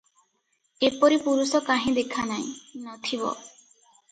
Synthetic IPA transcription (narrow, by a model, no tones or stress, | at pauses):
epɔɾipuɾusɔkaɦĩd̪ekʰanaj̃nɔt̪ʰibɔ̰